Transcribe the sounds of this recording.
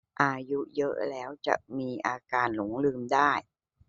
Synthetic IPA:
ʔaː˧ju˦˥jɤ˦˥ʔlɛː˦˥wt͡ɕa̰˨˩ʔmiː˧ʔaː˧kaː˧nlu˩˦ŋlɯː˧mdaː˥˩j

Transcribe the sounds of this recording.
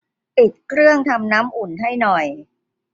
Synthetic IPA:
pi˨˩t̪̚kʰɾɯ˥˩əŋt̪ʰa˧mnaː˦˥mʔu˨˩nɦa˥˩jnɔ˨˩j

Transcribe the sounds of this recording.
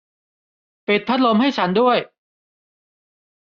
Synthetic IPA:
pi˨˩t̪ʰːa˦˥t̪̚lo˧mɦa˥˩jt͡ɕʰa˦˥ndu˥˩əj

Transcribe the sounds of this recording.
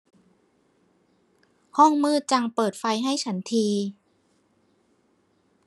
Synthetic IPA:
hɔ˥˩ŋmɯː˥˩t͡ɕa˧ŋpɤː˨˩t̪̚fa˧jɦa˥˩jt͡ɕʰa˦˥nt̪ʰiː˧

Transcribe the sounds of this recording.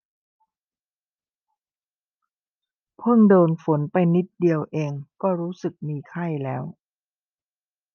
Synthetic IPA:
pʰɤ˥˩ŋdoː˧nfo˩˦npa˧jni˦˥t̪̚di˧əwʔeː˧ŋkɔː˥˩ɾuː˦˥sɯ˨˩k̚miː˧kʰa˥˩jlɛː˦˥w

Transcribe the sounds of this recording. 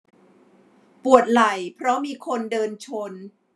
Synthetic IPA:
pu˨˩ət̪̚la˨˩jpʰɾɔ˦˥miː˧kʰo˧ndɤː˧nt͡ɕʰo˧n

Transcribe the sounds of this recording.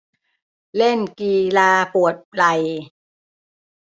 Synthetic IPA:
le˥˩nkiː˧laː˧pu˨˩ət̪̚la˧˩j

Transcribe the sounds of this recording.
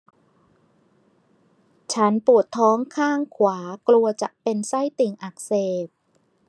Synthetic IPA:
t͡ɕʰa˦˥npu˨˩ət̪ʰːɔː˦˥ŋkʰaː˥˩ŋkʰwaː˩˦klu˧ɐt͡ɕa˨˩ʔpe˧nsa˥˩jt̪i˨˩ŋʔa˨˩k̚seː˨˩p̚

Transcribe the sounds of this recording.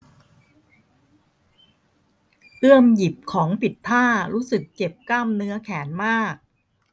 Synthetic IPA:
ʔɯ˥˩əmji˨˩p̚kʰɔː˩˦ŋpi˨˩t̪ʰːaː˥˩ɾuː˦˥sɯ˨˩k̚t͡ɕe˨˩p̚klaː˥˩mnɯ˦˥ɐkʰɛː˩˦nmaː˥˩k̚

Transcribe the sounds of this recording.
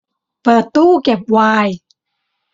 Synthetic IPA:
paː˧˩t̪uː˥˩ke˨˩p̚waː˧j

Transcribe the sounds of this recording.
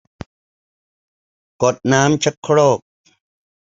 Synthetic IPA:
kɔ˨t̪̚naː˨˦mt͡ɕʰa˦kʰːɽɔː˥˩k̚

